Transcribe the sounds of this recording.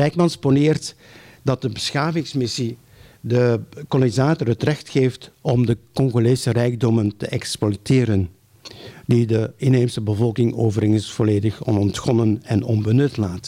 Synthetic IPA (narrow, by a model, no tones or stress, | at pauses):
rɛjk̚mɑnsponɪːrt | dɑt̚dəbəsxaːvɪŋsmɪsi | dəkɔlnizaːtɔrɦətrɛxtxeːftɔmdəkɔŋɣolesərɛjɡ̚dɔməntəʔɛkspɔteːɾən | didəɪneːmsəbəvɔlˠkɪŋoːvərɪŋsv̥oleːdəxɔ̰nɔntxɔnənɛnɔnbənɵtlaːt